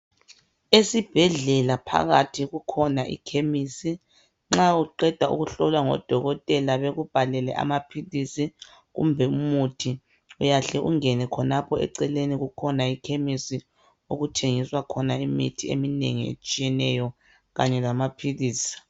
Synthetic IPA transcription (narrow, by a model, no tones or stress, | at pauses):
esib̥ʱɛɮɛlapʰa̰ɣatʰiɣukʰɔnaʔḭkʰemisi | ŋ͡ǁauǃɛd̥ʱaṵɣuɬɔlwaŋɔ̰d̥ʱɔɣɔtʼɛlaβeɣub̥ʱalɛlɛ̰ʔa̰mapʰilisi | ɣṵmbʱɛumutʰi | ujaɬɛʔuŋɛnɛkʰɔnapʰɔɛ̰ǀɛleniɣukʰɔnaikʰemisi | oɣutʰeŋiswakʰɔnaimḭtʰiḛminḛŋiḛt͡ʃʼijɛnɛjɔ | ɣaɲɛlamapʰiliːsi̥